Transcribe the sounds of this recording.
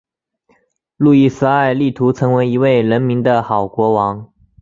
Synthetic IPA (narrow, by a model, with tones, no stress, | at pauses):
lu˥˩i˥˩s̩˥a˥˧ɪli˥˩t̪ʰu˧˥t͡sʰɤ˧˥ŋwe˧˥ɪi˧˥we˥˩ɪɻə˧˥nmi˧˥ŋd̪ə˧xɑ˨˩ʊkwɔ˧˥wɑ˧˥ŋ